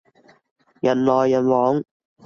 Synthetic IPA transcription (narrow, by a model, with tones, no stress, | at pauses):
jɐ˨˩nlɔː˨˩jːɐ˨˩nwɔː˨˥ŋ